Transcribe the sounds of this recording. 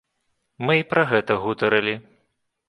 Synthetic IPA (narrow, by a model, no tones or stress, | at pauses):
mɨipɾɐɣɛt̪ɐɣut̪ɐɾɨlʲi